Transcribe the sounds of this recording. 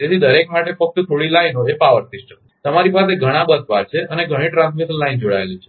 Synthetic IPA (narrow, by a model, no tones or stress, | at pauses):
t̪et̪ʰid̪əɾekmaʈefək̚t̪ət̪ʰoɭilainɦoepaʋəɾsisʈə | t̪əmaɾipaseɡʱəɽ̃ãbəd̪̚baɾt͡ʃʰeʔəneɡʱəɽ̃ĩʈɾãnsmiʈ̪laind͡ʒoɽa̰elũt͡ʃʰe